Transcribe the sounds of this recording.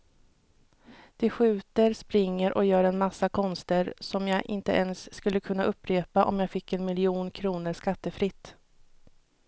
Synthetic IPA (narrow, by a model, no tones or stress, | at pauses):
d̪̥ɛɧʉ̟ːt̪əɾspɾɪŋːəɾʔɔ̰jœːɾɛnmasːakʰɔnst̪əɾsɔmjɑːʔɪ̰nt̪ə̰ʔɛnsːkɵlːəkʰɵnːaʔɵpːɾeːpaʔɔ̰mjaːɡfɪkːɛnmɪlɪuːnkʰɾuːnəɾʂkat̪ːəfɾɪt̪ː